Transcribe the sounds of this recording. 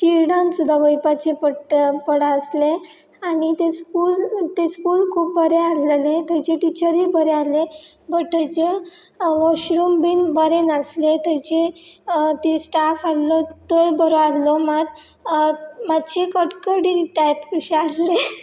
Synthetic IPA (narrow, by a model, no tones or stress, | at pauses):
t͡ɕiɾɽãnsud̪ʱːaʋəjpat͡ɕepəʈpəɽaəsle | aɽ̃it̪eskult̪eskulkʰuːp̚bəɾeallet̪ət͡ɕeʈit͡ɕəɾibəɾeale | bəʈːet͡ɕe | ʋɔɕɾumbinbəɾenəslet̪ət͡ɕe | t̪esʈafallɔt̪ojbəɾoallɔmad̪ | mad̪t͡ɕekəʈkəɽiʈajpkəɕealle